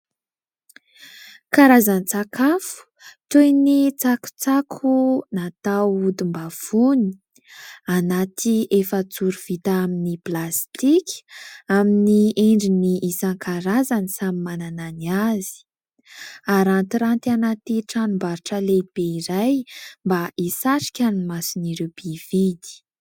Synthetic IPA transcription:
kaɾazanit͡sakafu̥ | t̪ojnit͡saku̥t͡sakʰunat̪awud̪imbav̥uni̥i | anat̪ʰiefət͡suɾuv̥it̪aaminiplast̪ikʲaminieɳɖ͡ʐiniʔːsaŋkʰaɾazanisamimanananiazi̥ | aɾant̪iɾant̪ianat̪iʈ͡ʂanumbaɾʈ͡ʂəleb̥eiɾajmbaʔisaʈ͡ʂi̥kʲanimasiniɾeb̥ivid̪i̥

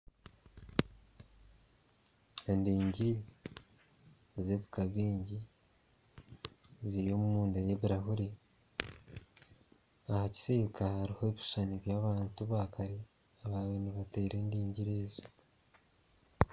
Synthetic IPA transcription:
endiːɲɟi | zeβukaβiːɲɟi | ziɾjo̞mumuːndejeβiɾaɦuɾi | ahaci̥sekʰahaɾihoβi̥ʃaniβjaːβaːntuβakaɾi | aβaːweniβate̞ːɾe̞ndiːɲɟiɾeːzo̥

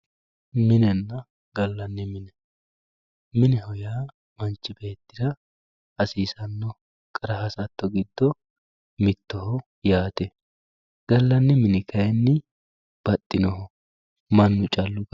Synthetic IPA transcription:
mɪnɛnːɐ | ɡɐlːɐnːɪmɪnɛ | mɪnɛhɔjaː | mɐnt͡ʃːɪbe̞ːt̪ːɪd̪ɐ | ɐsiːsɐnːɔ | kʼɐɾɐɦɐsɐt̪ːɔɡɪd̪ːɔ | mɪt̪ːɔhɔ | jaːt̪ɛ | ɡ̥ɐlːɐnːɪmɪnɪkʰɐjɛnːɪ | b̥ɐt̪ʼːɪnɔhɔ | mɐnːʊt͡ʃʼɐlːʊɡ

